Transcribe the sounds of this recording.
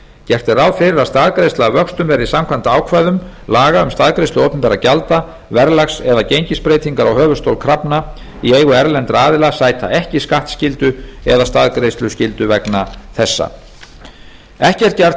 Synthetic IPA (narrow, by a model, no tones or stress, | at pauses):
cɛr̥t̪ɪɾawfɪɾɪɾaðst̪aðkɾejst̪lavœkst̪ʏmvɛɾɪisamkʰvant̪aaːwkʰvajðʏmlaːɣaʏmst̪aðkɾejst̪ʏoːpʏnpɛːɾacalt̪a | vɛɾlaxsɛðacejɲcɪspɾeːjt̪ʰiŋkaɾawhœːvʏ̥st̪owlkʰɾapna | ieːjɣʏɛɾlɛnt̪ɾaaːðɪlasaːjt̪ʰa̰ʔɛhcɪskaht̪scɪlt̪ʏɛðast̪aðkɾejst̪lʏscɪlt̪ʏvɛknaθɛsːa̰ | ɛhcɛr̥t̪cɛr̥t̪